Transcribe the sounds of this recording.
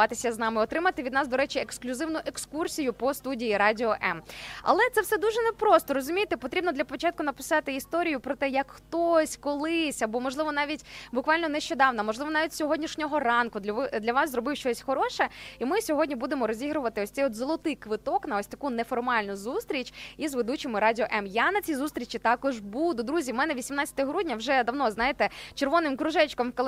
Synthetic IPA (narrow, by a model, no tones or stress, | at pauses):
ɑt̪ɪsʲɐznɑmɪɔt̪ɾɪmɐt̪ɪʋʲid̪nɑsd̪ɔɾɛt͡ʃieksklʲʊzɪwnʊʔekskursʲijʊpɔst̪udʲijiɾɑdʲɪɔʔɛmɐ̰lˠɛt̪sɛwsɛd̪uʒɛnepɾɔst̪ɔɾɔzʊmʲijet̪ɛpɔt̪ɾʲibnɔd̪lʲɐpɔt͡ʃɑt̪̚kʊn̪ɐpɪ̥sɑt̪ɪist̪ɔɾʲijʊpɾɔt̪ɛjɐkxt̪ɔsʲkɔlˠɪsʲɐbɔmɔʒlˠɪʋɔnɑʋʲitʲbʊkʋɑlʲnɔneʃt͡ʃɔd̪ɑwnɐmɔʒlɪʋɔnɑʋʲitʲsʲɔɦɔdʲnʲiʃnʲɔɦɔrɑnkʊd̪lʲɐʋɑszɾɔbɪwʃt͡ʃɔsʲxɔɾɔʃɛimɪsʲɔɦɔdʲnʲibud̪emɔɾɔzʲiɦɾʊʋɐt̪ɪɔsʲt̪sɛjɔt̪zɔlˠɔt̪ɪjkʋɪt̪ɔknɐɔsʲt̪ɐkunɛfɔrmɑlʲnʊzust̪ɾʲit͡ʃʲizʋed̪ut͡ʃɪmɪɾɑdʲɪɔʔɛmjanɐt͡sʲizust̪ɾʲit͡ʃit̪ɑkɔʒbud̪ʊd̪ɾuzʲiwmɛnɛʋʲisʲimnɑt͡sʲɐ̥t̪ɐɦɾudʲnʲɐwʒɛd̪ɐwn̪ɔznɑjet̪ɛt͡ʃerʋɔnɪmkɾʊʒɛt͡ʃkɔmkɔlˠ